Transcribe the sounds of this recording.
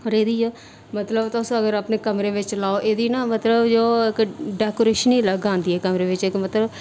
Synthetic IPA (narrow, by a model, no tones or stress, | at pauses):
oːɾeːd̪iːoː | mət̪ləbt̪ʊsõːəɡəɾaːpneːkəmɾeːʋɪt͡ʃlaːoʔeːd̪iːnaːmət̪ləbd͡ʒoːɪkɖɛːkoːɾeːʃəniːləɡãːnd̪iːɛːkəmɾeːʋɪt͡ʃɪkmət̪ləb